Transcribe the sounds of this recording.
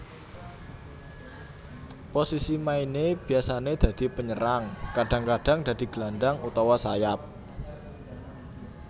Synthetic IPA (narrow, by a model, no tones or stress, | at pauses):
posisimaineb̥i̤asaned̪̥a̤d̪̥i̤pəɲəɾaŋkaɖ̥ä̤ŋkaɖ̥a̤ŋd̪̥ä̤d̪̥i̤ɡ̥land̪aŋut̪awasajap̚